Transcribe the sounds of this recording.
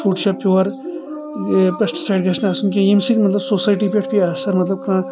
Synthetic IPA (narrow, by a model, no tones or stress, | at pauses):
t̪ʰuːʈʃapjoːɐɾ | pɐsʈsaːɪɖɡɐʃnaːsumkẽemsiːt̪mɐt̪lɐbsoːsaːjʈiːpeʈʰpiaːsɐɾmɐt̪lɐb̚kʰãː